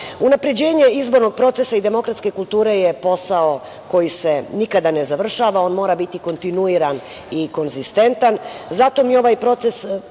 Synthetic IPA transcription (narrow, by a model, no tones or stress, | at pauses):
unapɾe̞d͡ʑe̞ːɲe̞izbo̞ɾno̞ɡ̚pɾo̞t̪se̞said̪e̞mo̞kɾat̪ske̞kult̪uːɾe̞jepo̞sao̞ | ko̞jise̞nikad̪ane̞zaʋr̩ʃaːʋao̞ːnmo̞ːɾabit̪iko̞nt̪inuiɾan | iko̞nzist̪e̞nt̪anzat̪o̞mijeo̞ʋajpɾo̞t̪se̞s